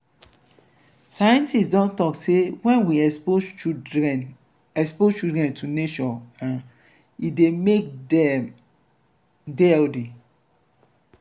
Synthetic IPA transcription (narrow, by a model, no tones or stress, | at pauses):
sajɛ̃ntisdɔ̃ntɔksewɛ̃nwiɛo | ɛn | ɛkspozt͡ʃudɹɛ̃ntʰuneʃɔãn | idemek̚dɛm | deɛldi